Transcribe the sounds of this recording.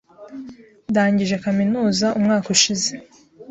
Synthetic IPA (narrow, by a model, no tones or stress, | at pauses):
daːɲɟiʒekaminuːzaʔumŋaːkuʃize̞